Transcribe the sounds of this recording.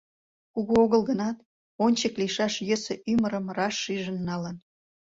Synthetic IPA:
kuɣuoɣəlɣənɑt̪ | onʲt͡ɕəkliʃɑʃjəsəʔyməɾəmrɑʃːiʒənːɑlən

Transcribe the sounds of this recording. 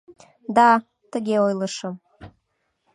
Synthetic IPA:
d̪ɑ | t̪əɣeojləʃə̆m

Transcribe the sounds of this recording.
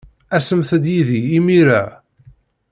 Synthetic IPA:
æsəmθəd̪jiðiːmiɾæ

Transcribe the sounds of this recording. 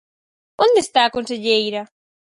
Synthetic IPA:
ond̪est̪aːkonseʎejɾɐ

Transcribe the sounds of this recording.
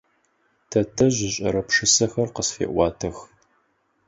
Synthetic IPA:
tʰɐtʰɐʑɪɕʼɐ̰ɾɐpʂɨsɐxɐrqəsfḛːʔʷɑːtʰɐx

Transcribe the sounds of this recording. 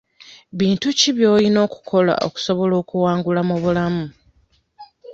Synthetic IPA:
βiːntuciβjo̞ːlino̞ːku̥kʰo̞la̰ʔo̞̰ku̥so̞βo̞lo̞ːkuwaːŋɡulamuβulamu

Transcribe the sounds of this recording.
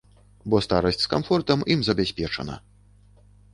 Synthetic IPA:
bɔst̪aɾɐsʲt͡sʲskamfɔrt̪ɐmimzɐbʲasʲpʲɛt͡ʂɐ̰nɐ̰

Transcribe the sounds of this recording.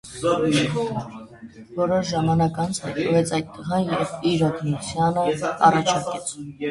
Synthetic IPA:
vɔɾɔʃʒɑmɑnɑkɑnt͡sʰhɑjt̪nəvɛt͡sʰɑjt̪̚ːəʁɑiɾɔd̪ʰnɔsjɑnəɑ̰rɑt͡ʃʰɑɾkɛt͡sʰ

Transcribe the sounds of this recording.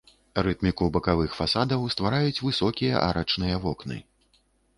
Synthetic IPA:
rɨt̪mʲikubɐkavɨxfasad̪ɐwst̪vaɾajut͡sʲvɨsɔkʲijɐ̰ʔa̰ɾɐt͡ʂnɨjɐvɔknɨ̰

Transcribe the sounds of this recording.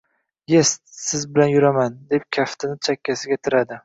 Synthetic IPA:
jest̪sɪzbɪlanjʊɾamand̪e̞p̚kʲʰaft̪ʰɪnɪt͡ʃʰakʲːasɪɡʲat̪ʰɪɾad̪ɪ

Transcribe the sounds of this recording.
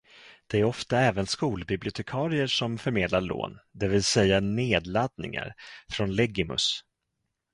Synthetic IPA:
d̪̥ɛæɾɔft̪aɛːvənskuːlbɪblɪʊt̪ʰɛkʰɑːɾɪəʂɔmfœɾmeːd̪laɭo̰ːnd̪ɛvɪlsɛjːaneːd̪lad̪̚nɪ̰ŋa̰ɾfɾɔnlɛɡɪmɵ̰s

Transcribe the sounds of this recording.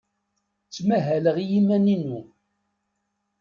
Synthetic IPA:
t͡sːmæɦæləʁijimæninu

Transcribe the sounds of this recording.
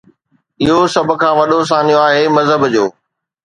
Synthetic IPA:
ɪɦosɐb̆ʱkʰãːʋɐɗos̬ãːnijoaːɦeːmɐzɦəbd͡ʑoː

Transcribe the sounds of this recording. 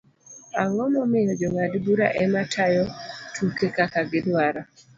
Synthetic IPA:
aŋɔmɔmɪɾɔd͡ʒɔŋadbuɾa̰ʔɛmatʰajɔtʰukekakaɡɪdwaɾa

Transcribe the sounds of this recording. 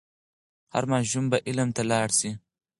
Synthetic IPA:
ha̰ɾmɑːʃumbaʔɪlamt̪alɑːɽsi

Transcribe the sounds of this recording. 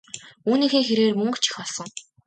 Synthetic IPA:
uːniːxeːŋxeɾeːrmɵŋk̆t͡ɕʰĭ̥xpɔɮsɞ̆ŋ

